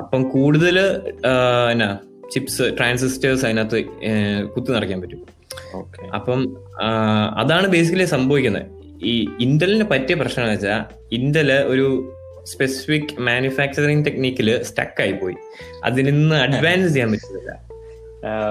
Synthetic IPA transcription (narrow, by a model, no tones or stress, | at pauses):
ɐpːɐmkuːɽuðɐl | enːaː | t͡ɕipsɨʈraːns̬istɐrs̬ɐjnːaːt̪ːɨkut̪ːinɐrɐkːaːmpɐtːu | oːkeɐ̰pːɐm | ɐ̰ðaːɳɨbe̞ːs̬ikːɐlesɐmbɐʋikʲːunːɐ̰ð | iːind̪ɐlindepɐtːijɐprɐɕnɐŋaːɐt͡ɕːa | ind̪ɐlʔo̞ɾu | spe̞si̥fikːɨmaːnufaːk̚t͡ɕɐriŋt̪e̞kniːkʲːilɨstɐ̰kːaːjipːo̞ːjḭ | ɐ̰ðininːɨɐɖʋaːnsɨt͡ɕejaːmpɐtːunɐðilːɐ̰